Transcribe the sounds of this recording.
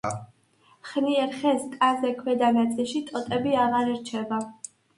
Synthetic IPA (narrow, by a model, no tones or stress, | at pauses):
χniɛɾχɛst̪ʼazɛkʰwɛd̪anat̪sʼiʃit̪ʼɔt̪ʼɛbiaʁaɾiɾt͡ʃʰɛba